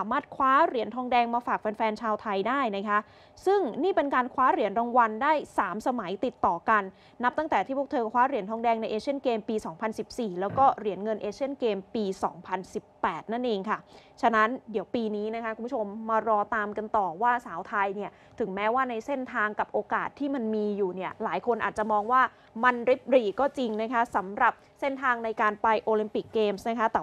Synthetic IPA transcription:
saː˩˦maː˥˩t̪̚kʰwaː˦˥ɾi˨˩˦nt̪ʰɔː˧ŋdɛː˧ŋmaː˧faː˨˩k̚fɛ˧nfɛː˧nt͡ɕʰaː˧wt̪ʰa˧jdaː˥˩jna˦˥kʰa˦˥ʔ | sɯ˥˩ŋniː˥˩pe˧nkaː˧nkʰwaː˦˥ɾi˨˩˦nɾa˧ŋwa˧ndaː˥˩jsaː˩˦msa˧ma˩˦jt̪i˨˩t̪ːɔː˨˩ka˧nː | a˦˥p̚t̪a˥˩t̪ɛː˨˩t̪ʰiː˥˩pʰu˥˩kt̪ʰɤː˧˩kʰwaː˦˥ɾi˨˩˦ənt̪ʰɔː˧ŋdɛː˧ŋna˧jʔeː˧t͡ɕʰi˥˩ənkeː˧mpiː˧sɔː˩˦ŋpʰa˧nsi˨˩p̚siː˨˩lɛː˦˥wkɔː˥˩ɾi˨˩˦ənŋɤ˧nʔeː˧t͡ɕʰi˥˩ənkeː˧mpiː˧sɔː˩˦ŋpʰa˧nsi˨˩pːɛː˨˩t̪̚na˥˩nʔeː˧ŋkʰa˥˩t͡ɕʰa˧na˦˥ndi˨˩˦əwpiː˧niː˦˥na˦˥kʰa˦˥kʰu˧pʰu˥t͡ɕʰo˧mːa˧ɾɔː˧t̪aː˧mka˧nt̪ɔː˨˩waː˥˩saː˩˦wt̪ʰa˧jni˥˩ɐ | t̪ʰɯ˨˩˦ŋmɛː˦˥waː˥˩na˧jse˥˩nt̪ʰaː˧ŋka˨˩p̚ʔoː˧ka̰ː˨˩t̪ʰːiː˥˩ma˧nmiː˧juː˨˩ni˥˩ɐlaː˩˦jkʰo˧nʔa̰ː˨˩t̪̚t͡ɕa˨˩mɔː˧ŋwaː˥˩ | ma˧nɾi˦˥p̚ɾiː˨˩kɔː˥˩t͡ɕi˧ŋna˦˥kʰa˦˥sa˩˦mɾa˨˩p̚se˥˩nt̪ʰaː˧ŋna˧jkaː˧npa˧jʔoː˧li˧mpi˨˩kːeː˧msna˦˥kʰa˦˥t̪ɛː˨˩

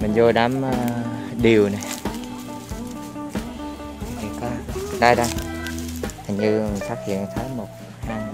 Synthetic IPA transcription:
mï˨˩ŋ̟zo˧ɗaː˨˦mː˨˧ɗi˨˩əwna˨˩j | i˨˩kɔ˨˦ɗaː˧jɗa˧j | t̪ʰa˨˩ŋ̟ɲɨ˧mi˨˩ŋ̟faː˦˥k̚hḭ˧˨ənt̪ʰəː˨˦jmo˨˩t̚ | haː˧ŋ

